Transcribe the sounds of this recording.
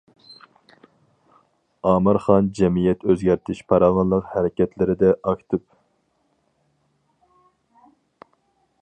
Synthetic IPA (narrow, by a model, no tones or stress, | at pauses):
ɑːmɨɾχɑnd͡ʒɛmijɛt̪ʰøzɡʲæɾt̪ʰɪʃpʰɑɾɑʁɑnlˠəqhæɾɪkʲɛt̪ʰlɪɾɪd̪ɛʔɑkʲt̪ʰɨp